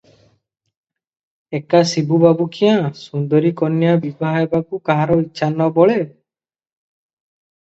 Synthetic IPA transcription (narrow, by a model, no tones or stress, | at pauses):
ekasibubabukʰijãsund̪ɔɾikɔnːjabibaɦaebakukaɦaɾɔiʃʰanɔbɔɭe